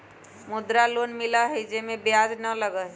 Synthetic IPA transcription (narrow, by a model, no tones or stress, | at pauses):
mʊd̪ɾalonmɪlaɦed͡ʒemẽbjad͡ʒnələɡəɦ